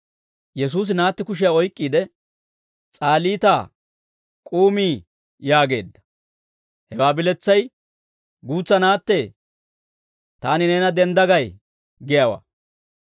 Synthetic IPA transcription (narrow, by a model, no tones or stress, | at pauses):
jɛsuːs̬ɪnaːt̪ːɪkʊʃ̬ɪjaɔjkʼːiːd̪ɛ | t͡sʼaːliːt̪aː | kʼuːmiː | jaːɡe̞̰ːd̪ːɐ̥ | hɛwaːbɪlɛt͡sːɐj | ɡuːt͡sːɐnaːt̪ːe | t̪aːnɪneːnɐd̪ɛnd̪ɐɡɐj | ɡɪjawa̰ː